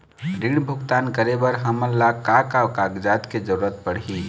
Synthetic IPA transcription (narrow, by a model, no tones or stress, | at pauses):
ɖiɽbʱuɡt̪ankəɾebəɾɦəməɾlakakakaɡd͡ʒat̪ked͡ʒəɾuɾət̪̚pəɽ̤ɦi